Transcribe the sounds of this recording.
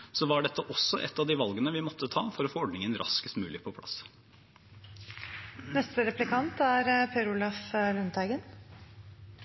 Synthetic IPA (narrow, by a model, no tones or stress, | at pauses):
sɔʋɑɖɛt̪ʰːəʔɔsːɔʔɛ̰t̪ːɑʋd̪ɪːʋɑlɡənəʋɪmɔt̪ʰːət̪ʰɑ̰ːfɔɾɔfoːɔɖnɪŋənɾɑ̰skəst̪mʉːlɪpʰɔpʰlɑ̰s | nɛst̪əɾɛplɪkʰɑnt̪æɾpʰeːɾʊlɑflʉnt̪ʰæɪɡən